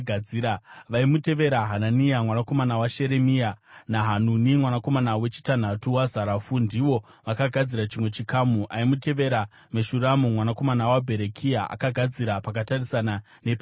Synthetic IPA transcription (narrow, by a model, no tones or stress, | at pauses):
ɡʱaiːɾaʋaimute̞ʋe̞ɾaɦananijamwanako̞manawaʃe̞ɾe̞mijanaɦanunimwanako̞manawe̞t͡ʃi̥tan̤atuwazaɾafundiʋo̞ | ʋakaɡʱad͡ziɾat͡ʃimwe̞t͡ʃikaːmuʔaimute̞ʋe̞ɾa | meʃuramumwanako̞manawabʱe̞ɾekʰijaʔa̰kaɡʱad͡ziɾapak̬atarisana | nep